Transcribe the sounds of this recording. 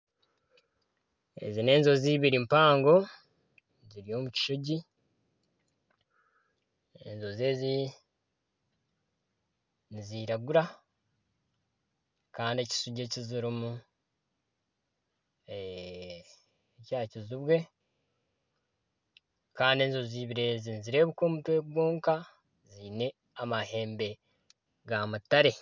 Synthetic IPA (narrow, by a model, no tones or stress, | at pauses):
e̞̰zine̞ːnzo̞ziβiɾimpaːŋɡo̞ | ziɾijo̞ːmuci̥ʃuɟi | e̞̰nzoze̞ːzi | niziːɾaɡuɾa | kaːndieci̥suɟeciziɾimu | caːciziβwe̞ | kaːndie̞ːnzo̞ziːβiɾe̞ːzinziɾe̞ːβuko̞ːmutwe̞ːɡwoːŋka | ziːne̞ | amahe̞ːmbe̞ | ɡamutaɾe̞